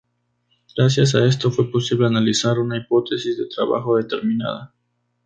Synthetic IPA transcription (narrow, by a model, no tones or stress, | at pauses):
ɡ̥ɾas̬jas̬ae̞s̬t̪o̞fwe̞po̞siβle̞analisaɾunaipo̞t̪e̞sizðe̞t̪ɾaβa̰xo̞ðe̞t̪e̞ɾmĩna̰ða